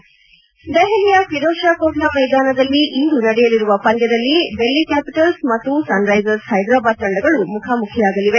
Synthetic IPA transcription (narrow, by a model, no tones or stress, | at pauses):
d̪ɐɦɐlijɐkʋid̪ɔːʃaːkɔːɡlamɐjd̪aːnɐd̪ɐlːiʔind̪unɐɽɛjɐliɾuʋɐpɐnd̪jɐd̪ɐlːibelːikæːpiʈɐlsmɐt̪ːusɐnɾɐjd͡ʒɐɾshɐjd̪ɾaːbaːd̪̚kɐɳɖɐɡɐɭumukʰaːmukʰijaːɡɐliʋe